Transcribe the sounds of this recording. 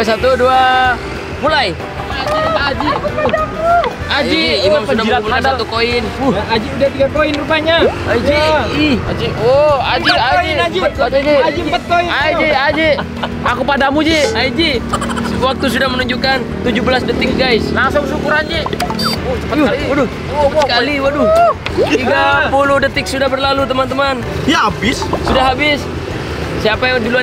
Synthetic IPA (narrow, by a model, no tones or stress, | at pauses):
sat̪udua | mulaj | d͡ʒid͡ʒi | ad͡ʒiimamsudasmulakansat̪ukoɪnuad͡ʒiudaht̪iɡakoɪnrupaɲaaid͡ʒiad͡ʒiɔad͡ʒiad͡ʒaid͡ʒad͡ʒipət̪̚koiad͡ʒiad͡ʒɛ | akupadamud͡ʒɛaid͡ʒi | səwak̚t̪us̬udahmənuɲd͡ʒukant̪ud͡ʒubəlasdət̪ɪk̚ɡajslaŋsʊŋsukuɾand͡ʒɛ | t͡ʃəpəaiadʊ | əpasəkaliwadʊt̪iɡapuluhdət̪ɪk̚sudahbərlalut̪əmant̪əman | jaabɪssudahɦabɪsː | iapajadilua